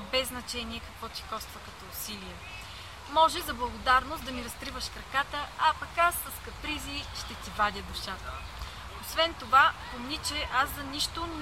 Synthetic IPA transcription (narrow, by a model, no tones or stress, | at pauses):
bɛznɐt͡ʃɛniɛkɐkvɔt̪i̥xɔfst̪vəkɐt̪ɔʊsiliɛ | mɔʒɛzɐblˠɐɡod̪aɾnosd̪ɐmiɾɐskɾivəʃkɾɐkat̪əɐpɐkasɐskɐpɾiziʃt̪ɛt̪ivad̪ʲəd̪ʊʃat̪ə | osvɛnt̪ovapomnit͡ʃɛʔazzɐniʃt̪ʊn